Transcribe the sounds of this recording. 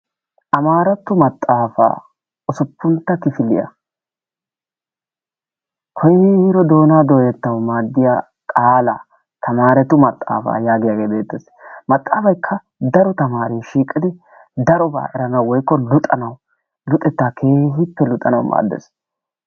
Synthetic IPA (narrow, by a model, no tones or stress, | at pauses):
ʔɐmaːɾɐt̪ːʊmɐt̪ʼːaːfa̰ː | ɔsʊpːʊnt̪ːɐkɪfɪlɪ̰jɐ̰ | kʰɔjhɾɔd̪o̞ːnaːd̪o̞ːjɛt̪ːɐwmaːd̪ːɪjaː | kʼaːlɐ̰ | t̪ʰɐmaːɾɛt̪ːʊmɐt̪ʼːa̰ːfa̰ːjaːɡɪjaːɡe̞ːbe̞ːt̪ːɛs | mɐt̪ʼːaːfɐjkʰːɐ | d̪ɐɾɔt̪ɐmaːɾiːʃiːkʼːɪd̪ɪ | d̪ɐɾɔba̰ːʔɛɾɐnɐwwɔjkːɔlʊt̪ʼɐnɐw | lʊt̪ʼːɛt̪ːaːkʰe̞ːɦɪpːɛlʊt̪ʼɐnɐ̰wma̰ːd̪ːɛ̰s